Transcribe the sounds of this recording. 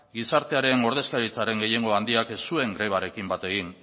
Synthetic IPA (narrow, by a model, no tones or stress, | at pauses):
ɡisaɾt̪e̞aɾe̞no̞ɾð̞e̞skaɾit͡saɾe̞ŋɡe̞je̞ŋɡo̞and̪iakesːue̞ŋɡɾe̞β̞aɾe̞kimbat̪e̞ɣin